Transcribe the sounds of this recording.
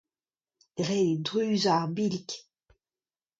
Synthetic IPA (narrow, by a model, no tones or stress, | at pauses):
ʁɛid̪ʁyzabilk